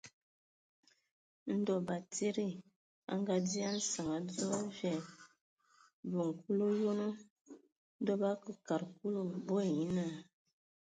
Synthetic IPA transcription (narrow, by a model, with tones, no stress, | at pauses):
n̩˦dɔ˦ba˨te˦ɾi˦˨ | a̰˦ŋ˦ɡa˦di˦a˦n̩˦sa˨ŋa˨˦d͡zɔ˦vɛ˨ | bu˨ŋ˨ku˦lo˦jo˦no˦ | n̩˦dɔ˦ba˦kə˨ka˨ɾk̚u˦lo˦bo˦e˨ji˦na˦˨